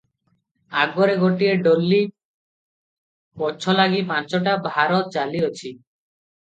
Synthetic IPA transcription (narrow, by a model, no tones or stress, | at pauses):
aɡɔɾeɡoʈieɖolːi | bɔt͡ʃʰɔlaɡip̬ãt͡ʃɔʈabʱaɾɔt̪̚t͡ʃaliɔt͡ʃʰi